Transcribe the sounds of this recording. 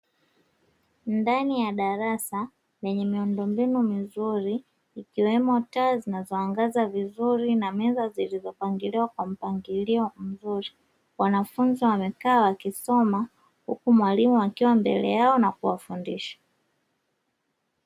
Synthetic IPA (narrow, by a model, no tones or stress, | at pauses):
ndanijaɗaɾasa | jɛɲɛmiundɔmbinumizuɾiː | kiwɛmɔtazinazɔaŋɡazavizuɾinamɛzazilizɔpaŋɡiliwakwam̩paŋɡiliɔm̩zuɾi | wanafunziwamɛkawwakisɔma | hṵkumwalimuakiwambɛ̰lɛ̰jaɔnakuwafundiʃḁ